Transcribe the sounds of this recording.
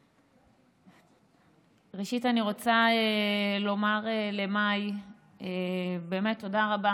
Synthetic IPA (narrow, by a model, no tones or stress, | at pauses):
ʁeʃitaniʁo̞t͡saelo̞maʁele̞maj | ebe̞ːmetːo̞daʁaba